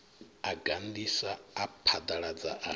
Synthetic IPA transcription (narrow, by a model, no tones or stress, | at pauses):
aɡand̪isaːpʰad̪aɺad͡za̰ʔa